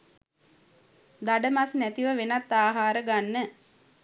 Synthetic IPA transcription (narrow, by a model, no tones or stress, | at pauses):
d̪aɖəmasnæt̪iʋəʋenat̪ːaːɦaːɾəɡanːə